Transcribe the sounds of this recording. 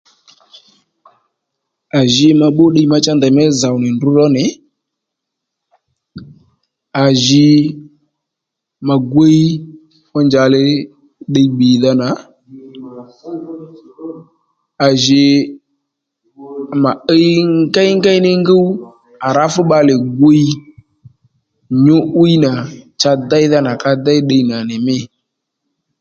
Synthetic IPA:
a˨ʒɪ˧ma˧ɓo˦ɗə˧˦ma˧t͡ʃa˦nda˨mɛ˦za˨wnɪ˨ndʊ˦ɾɔ˦nɪ˨ | a˨ʒɪ˧ | ma˨ɡʷe˦ji˦ | ɔ˦nd͡ʒa˨lɪ˦ | ɗə˧jɓi˨ða˦na˨˦ | a˨ʒɪ˨ | ma˨ə˦ŋ˦ɡa˦jŋ˦ɡa˦jnɪ˦ŋ˦ɡə˦w | a˨ɾa˦fʊ˦ɓa˧lɪ˨ɡʷo˦i˦ | ɲo˦ʔu˦i˦na˨t͡ʃa˧da˦jða˦na˨ka˧da˦jɗə˧jna˨nɪ˨mɪ˦

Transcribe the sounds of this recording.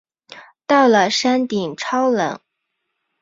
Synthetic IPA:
t̪ɑ˥˩ʊlə˩ʂa˥nt̪i˨˩ŋʈ͡ʂʰɑ˥ʊlə̰˧˥ŋ

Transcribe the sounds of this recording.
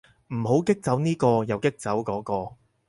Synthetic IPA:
m̩˨˩ɦo˨˥wkɪ˥k̚t͡sɐ˨˥wniː˥kɔː˧jɐ˨wkɪ˥k̚t͡sɐ˨˥wkɔː˨˥kɔː˧

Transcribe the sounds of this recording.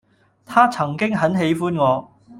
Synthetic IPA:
t̪ʰaː˥t͡sʰɐ˨˩ŋkɪ˥ŋɦɐ˨˥nɦe˨˥jfuː˥nŋɔː˨˧

